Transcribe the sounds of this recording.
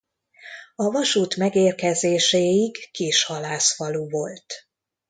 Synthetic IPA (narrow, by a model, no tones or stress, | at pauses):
ɒvɒʃuːt̪mɛɡeːrkɛzeːʃeːjiɡːiːʃhɒlaːsfɒluːvo̞lt̪